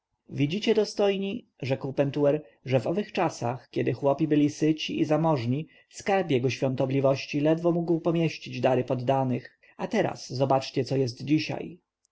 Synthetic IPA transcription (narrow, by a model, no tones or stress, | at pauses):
vʲid͡ʑit͡ɕɛd̪ɔst̪ɔjɲi | ʐɛkwpɛnt̪uɛɾ | ʐɛvɔvɘxt͡ʂasa̰xkʲɛd̪ɘxwɔpʲibɘlʲisɘt͡ɕiʔizamɔʐɲi | skaɾpjɛɡɔɕfʲɔ̃nt̪ɔblʲivɔɕt͡ɕilɛd̪vɔmuɡwpɔmʲjɛɕt͡ɕid͡ʑd̪aɾɘpɔd̪ːanɘx | at̪ɛɾa̰szɔbat͡ʂt͡ɕɛt̪sɔjɛst̪d͡ʑiɕa̰j